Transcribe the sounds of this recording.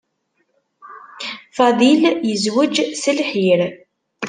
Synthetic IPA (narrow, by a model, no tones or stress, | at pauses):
fɑðˤiljəzwəd͡ʒsəlħiɾ